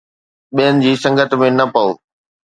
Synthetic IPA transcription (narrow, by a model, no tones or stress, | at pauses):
ɓiɦənɪ̆d͡ʑiːsɐ̃ŋɡʱət̪̆mẽnɐpɐoː